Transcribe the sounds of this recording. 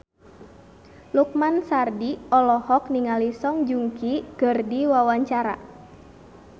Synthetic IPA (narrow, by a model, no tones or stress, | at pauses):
luk̚mansardiɔlɔhɔk̚niŋalisɔŋd͡ʒuŋkiɡ̥ərdiwawaɲt͡ʃaɾa̰